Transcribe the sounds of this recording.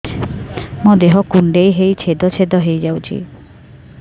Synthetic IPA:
mod̪eɦɔkuɳɖejɦejt͡ʃʰed̪ɔt͡ʃʰed̪ɔɦejd͡ʒawt͡ʃʰḭ

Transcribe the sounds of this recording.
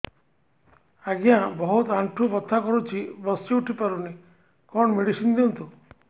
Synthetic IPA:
aɡijãbɔɦut̪aɳʈʰubɔt̪ʰːakɔɾut͡ʃʰibɔst͡ʃiuʈʰipaɾuni | kɔɳmeɽisind̪iɔnt̪u

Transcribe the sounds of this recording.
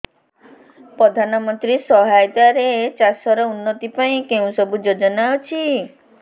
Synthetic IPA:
pɾɔd̪ʱanɔmɔnt̪ɾisɔɦajt̪aɾet͡ʃasɔɾɔunːɔt̪ipaĩkeũsɔbud͡ʒod͡ʒɔnaɔt͡ʃʰi

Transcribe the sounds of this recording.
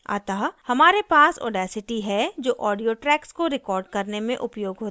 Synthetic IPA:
a̰ːt̪aːɦhɐmaːɾepaːsɔ̰ːɖɛːsɪʈiɦɛd͡ʒoːʔɔːɖijoʈɾɛːkskoɾɪkɔːɾɖkɐɾnemẽʔʊpjoːɡɦoːt̪aa

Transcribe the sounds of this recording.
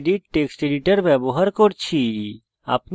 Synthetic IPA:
ɖiʈːeksʈeɖiʈəɾbɛboɦəɾkoɾt͡ʃʰi | a̰pn

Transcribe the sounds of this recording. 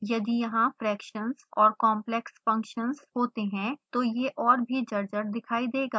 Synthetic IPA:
jɐd̪ijɐɦãfɾɛːkʃənzɔːɾkɔːmplɛksfɐ̃ŋkʃənzɦoːt̪eɦɛ̃t̪ojeʔɔːɾbʱid͡ʒɐɾd͡ʒəɾd̪ɪkʰaːid̪eːɡaː

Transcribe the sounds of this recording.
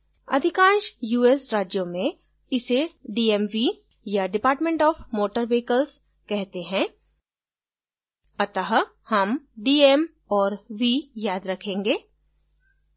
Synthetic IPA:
ɐ̰d̪ʱɪkãːnʃjuːesɾaːd͡ʒjõmẽ | ɪseɖiːemʋi | jaɖɪpaːɾʈmẽɳʈɔːfmoːʈəɾʋeːkəls | kɛɦt̪eɦɛ̃ | ɐt̪aɦ | hɐmɖiːem | ɔːɾʋijaːd̪ɾɐkʰẽːŋɡeː

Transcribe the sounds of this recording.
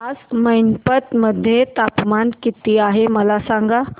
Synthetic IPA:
ad͡zməjnpət̪məd̪ʱːjet̪apmankit̪iaɦeməlasaŋɡa

